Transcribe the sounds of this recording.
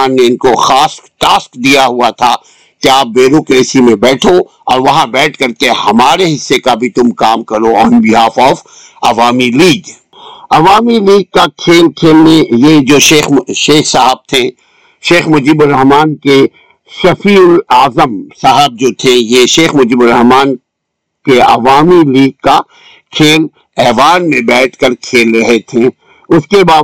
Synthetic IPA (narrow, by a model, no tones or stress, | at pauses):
aːnːeɪnkoxaːsʈaːskd̪ijaɦuat̪ʰa | keaːp̚beːɾoːkɾeːsimẽbɛːʈʰo | ɔːɾʋɐɦãbɛːʈʰkɐɾkehɐmaːɾeɦɪsːekabʱit̪ʊmkaːmkɐɾoɔːnbiɦaːfɔːf | ɐʋaːmiliːɡ | ɐʋaːmiliːɡ̚kakʰeːlkʰeːlnẽjed͡ʒoːʃeːxʃeːxsaɦəb̚t̪ʰẽ | ʃeːxmʊd͡ʒiːbʊɾːɐɦmaːnke | ʃɐfiːʊlaːzəmsaɦəb̚d͡ʒoːt̪ʰẽjeʃeːxmʊd͡ʒiːbʊɾɐɦmaːn | keɐ̰ʋaːmiliːɡ̚ka | kʰeːl | ɛːʋaːnmẽbɛːʈʰkɐɾkʰeːlɾɐɦet̪ʰẽ | ʊskebaː